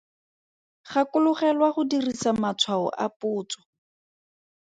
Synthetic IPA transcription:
χakʊlʊχɛlwaχʊdirisamat͡sʰwaɔ̰ʔa̰pʊːt͡sɔ̥

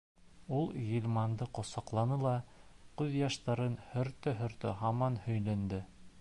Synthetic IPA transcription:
ulˠjilʲmɑnd̪ɤqŏsɑqlˠɑnɤlˠɑqʉðjɑʃt̪ɑɾɤnhɵ̆ɾt̪ɵɦɵ̆ɾt̪ɘ̰ɦɑmɑnhɵ̆jlænd̪ɘ

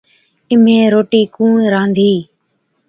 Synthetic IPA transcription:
ɪm̤ẽːɾoːʈiːkũːnɾãːnd̪ʱiː

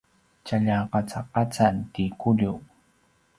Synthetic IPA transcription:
t͡ʃaʎaqɑt͡saqɑt͡sant̪ikʊʎu

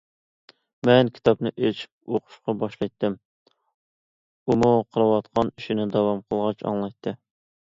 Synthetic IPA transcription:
mɛnkʲʰi̥t̪ʰɑpnɨʔet͡ʃʰi̥p̚oqʰʊ̥ʃqɑbɑʃlˠɑjt̪ːɪm | umuqʰəɾɑwɑt̪qʰɑniʃinɪd̪ɑwɑmqʰəlˠʁɑt͡ʃɑ̰ŋlˠɑjt̪ʰːɨ

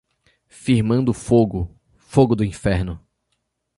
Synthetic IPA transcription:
fiɾmɐ̃nd̪ʊfoɡʊ | foɡʊd̪ʊĩfɛɾnʊ

